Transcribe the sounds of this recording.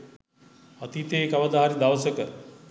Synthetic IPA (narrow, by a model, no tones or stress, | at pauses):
ɐt̪it̪eːkɐʋɐd̪aɦaɾid̪aʋəsəkə